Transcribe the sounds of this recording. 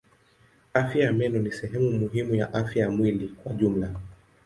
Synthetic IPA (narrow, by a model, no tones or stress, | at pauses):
afjajamɛnɔnisɛɦɛmumuɦimujaʔafjajamwilikwaʄum̩la